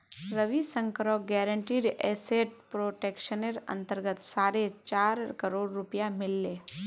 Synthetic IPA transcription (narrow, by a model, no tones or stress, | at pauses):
ɾəʋisə̃ŋkɾoɡɛːɾəɳʈiːɾɛːseʈ̚pɾoːʈeːkʃəneɾɐ̰̃nt̪əɾɡət̪saːɾet͡ʃaːɾkəɾoːɽːʊpijamɪlːeː